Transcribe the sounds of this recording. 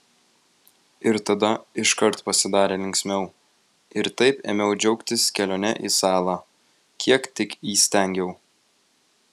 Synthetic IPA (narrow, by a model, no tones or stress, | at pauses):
ɪɾt̪ɐd̪ɐɪʃkɐɾt̪pɐsʲɪd̪ɑːɾʲeːlʲɪŋʲksʲmʲɛʊ | ɪɾt̪ɐɪpḛːmʲɛʊd͡ʒʲɛʊkt̪ʲɪskʲɛlʲoːnʲɛ̰ʔḭːsɑːlˠɑː | kʲʰiɛkt̪ʲɪkiːsʲt̪ʲæˑŋʲɡʲɛʊ